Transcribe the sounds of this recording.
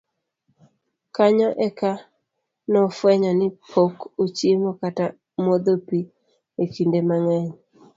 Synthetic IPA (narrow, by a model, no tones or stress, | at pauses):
kaɲɔʔɛka | nɔfwɛɲɔnɪpʰokut͡ʃimokata | mwod̪opi | ekindemaŋɛɲ